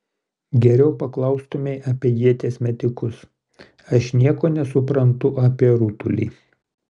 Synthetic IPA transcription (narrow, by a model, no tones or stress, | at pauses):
ɡʲɛɾʲɛʊpɐklˠɐʊst̪ʊmʲeɪʔɐːpʲiɛjiɛt̪ʲeːsʲmʲɛt̪ʲɪkʊs | ɐʃnʲiɛkoːnʲɛsʊpɾɐnt̪ʊʔaːpʲiɛɾut̪ʊlʲḭː